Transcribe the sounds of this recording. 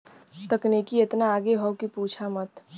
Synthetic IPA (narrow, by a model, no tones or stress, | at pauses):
t̪əknekiet̪naːɡeɦɔkipuːt͡ʃʰamət̪